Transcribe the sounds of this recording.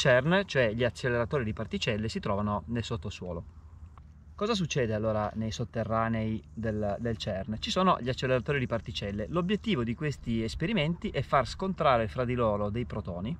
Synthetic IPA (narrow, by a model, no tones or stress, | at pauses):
t͡ʃɛrnt͡ʃoɛʎiat͡ʃːelːeɾat̪oːɾid̪ipart̪it͡ʃɛlːesit̪ɾɔːvanonelsot̪ːoswɔ̰ːlo | kɔːzas̬ut͡ʃːɛːd̪ealːoːɾanejsot̪ːerːaːnejd̪eld̪elt͡ʃɛrnt͡ʃisoːno̰ʎiat͡ʃːelːeɾat̪oːɾid̪ipart̪it͡ʃɛlːelobjet̪ːiːvod̪ikwest̪iespeɾiment̪iʔɛfːarskont̪ɾaːɾefɾad̪ːiloːɾod̪ejpɾot̪ɔːni